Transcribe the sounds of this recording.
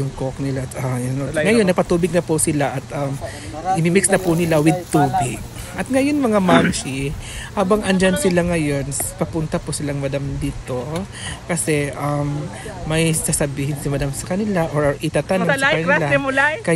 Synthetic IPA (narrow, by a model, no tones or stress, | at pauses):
ʊŋkok̚nɪlat̪ɐoŋɐjonːɐɡ̚pɐt̪uːbɪɡ̚nɐpʊsɪlaʔɐt̪ʔɐm | ʔɪmimɪksnɐpʊnɪlawɪd̪̚t̪uːbɪɡ̚ | ʔɐt̪̚ŋɐjonmɐŋamant͡ʃɪhaːbɐŋɐnd͡ʒansɪlaŋɐjo̞nspɐpʊnt̪ɐpʊsɪlaŋmɐd̪amd̪iːt̪o̞ | kɐsɛʔɐmː | ɐjsasɐbiːhɪnsɪmɐd̪amsɐkɐnɪlaʔoʔɪt̪ɐt̪ansɐkɐnɪlaʊlkɐ